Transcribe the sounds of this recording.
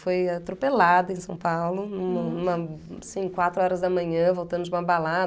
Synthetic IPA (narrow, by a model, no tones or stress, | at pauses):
fojat̪ɾupelad̪ɐẽsɐ̃w̃pawlʊnũmɐnũmɐasĩkwat̪ɾʊɔɾɐzd̪ɐmɐ̃ɲɐ̃vowt̪ɐ̃nd̪ʊd͡ʒɪũmɐbalad̪